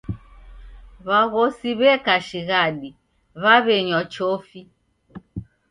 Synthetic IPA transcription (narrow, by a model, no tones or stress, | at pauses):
βaɣɔsiβɛkaʃiɣaɗi | βaβɛɲɔt͡ʃofi